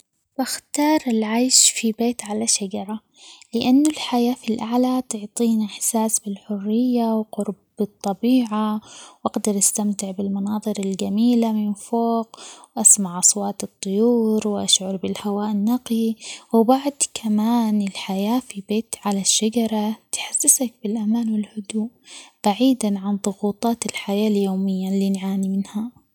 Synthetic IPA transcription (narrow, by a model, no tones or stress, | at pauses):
baxt̪ɑːɾˤɪlʕajʃfibeːt̪ʕalaʃad͡ʒɑɾˤɑ | lɪʔanːʊlħajaːfilʔaʕlat̪ʊʕt̪ˤiːnaħsaːsbɪlħʊrːɪjːawqʊɾbbɪt̪ˤːɑbiːʕawʔaɡd̪ɑɾˤʔast̪amt̪ɪʕbɪlmɑnɑːðˤɨɾɪlɡamiːlamɪnfoːqwʔasmaʕʔɑsˤwɑːt̪ɨt̪ˤːʊjuːɾwʔa̰ʃʕʊɾˤbɪlhawaːʔɪnːaqliwbaʕd̪kʰamaːnɪlħajaːfibeːt̪ʕalaʃːad͡ʒɑɾˤɑt̪ħasːɪsak̚bɪlʔamaːnwɪlhʊd̪uːʔb̥aʕiːd̪anʕanðˤʊɣuːt̪ˤɑːt̪ɪlħajaːljoːmɪjːalːiːnʕaːnimɪnha